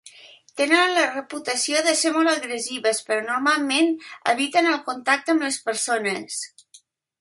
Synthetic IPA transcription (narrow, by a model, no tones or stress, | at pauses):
t̪enənnlərəput̪əsioðəseɾmolˠt̪əɣɾəziβəspəɾɔnuɾmalˠmenə̰βit̪ənəlˠkunt̪ak̚t̪əəmləspəɾsonəs